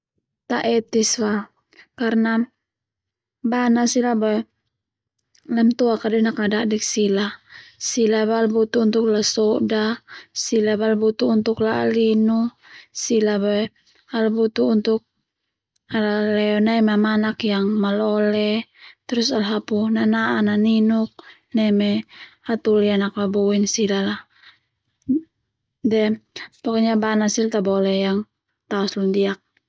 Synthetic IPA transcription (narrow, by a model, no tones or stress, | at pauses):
t̪aʔɛt̪iswa | karna | banasilabaɛ | lamt̪ɔakadɛnakadaʔdɛksilasilabalbut̪uːnt̪uklasɔdasilabalbut̪uːnt̪uklalinu | silabaɛ | albut̪uːnt̪uk̚ | alalɛɔnaimamanakjaŋmalɔlɛt̪ɾusalɦapunanaʔananinuk̚ | namɛat̪ulianaklabinsilala | dɛpɔkɔɲabanasilt̪abɔlɛjaŋ | t̪aɔslundiak̚